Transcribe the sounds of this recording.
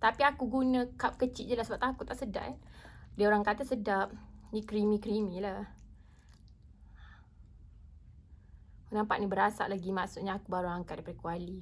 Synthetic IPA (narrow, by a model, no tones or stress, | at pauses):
t̪apiakuɡunãkap̚kət͡ʃiʔ̪̚d͡ʒəlahsəbap̚t̪akut̪aʔsəda̰ʔandiaoɾaŋkat̪asədap̚nikɾimĩkɾimĩla | unampaʔnibəɾasa̰ʔlaɡimaʔsut̪̚ɲaakubaɾuaŋkat̪̚dajpadəkuali